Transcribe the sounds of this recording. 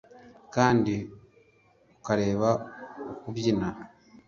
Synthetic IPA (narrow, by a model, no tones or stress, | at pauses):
kaːndi | ukaɾe̞ːβaokuβjina